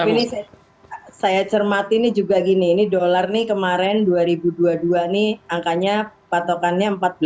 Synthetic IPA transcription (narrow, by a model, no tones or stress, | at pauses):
apinisa | sajat͡ʃərmat̪inid͡ʒuɡaɡiniːnidolarnikəmaɾɛnduaɾibuduaduaniaŋkaɲapat̪okanɲaəmpat̪̚bla